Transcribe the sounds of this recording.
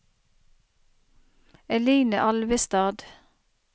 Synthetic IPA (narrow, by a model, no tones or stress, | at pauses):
ɛliːnə̰ʔɑlʋəst̪ɑːd̪